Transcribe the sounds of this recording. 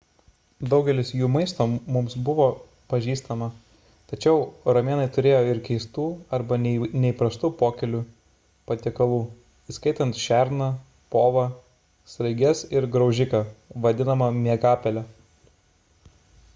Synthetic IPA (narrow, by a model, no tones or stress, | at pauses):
d̪ɒʊɡʲɛlʲɪsjuːmɐɪst̪oːmʊmsbʊʋoː | pɐʒʲiːst̪ɐmɐ | t̪ɐt͡ʃʲɛʊɾɐmʲeːnɐɪt̪ʊɾʲeːjoːɪɾkʲɛɪst̪uːɐɾbɐnʲɛnʲɛɪpɾɐst̪uːpoːkʲɛlʲu | pɐt̪ʲekɐlˠuː | iskɐɪt̪ɐnt̪ʃʲæˑɾnɐ | poːʋɐ | sɾɐɪɡʲɛsɪɾɡɾɐʊʒʲɪkɐʋɐd̪ʲɪnɐmɐmʲiɛɡɑːpʲɛlʲɛ